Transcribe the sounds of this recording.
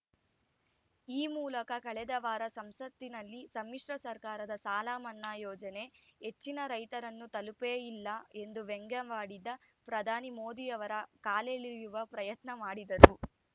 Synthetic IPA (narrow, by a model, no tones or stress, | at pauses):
iːmuːlɐkɐkɐɭɛd̪ɐʋaːɾɐsɐmsɐt̪ːinɐlːisɐmːiʂɾɐsɐɾkaːɾɐd̪ɐsaːlaːmɐnːaːjɔːd͡ʒɐneɦet͡ʃːinɐɾɐjt̪ɐɾɐnːut̪ɐlupeːjilːɐe̞nd̪uʋeŋɡɐʋaːɽid̪ɐ | pɾɐd̪ʱaːnimoːd̪ijɐʋɐɾɐkaːleɭijuʋɐpɾɐjɐt̪nɐmaːɽid̪ɐɾu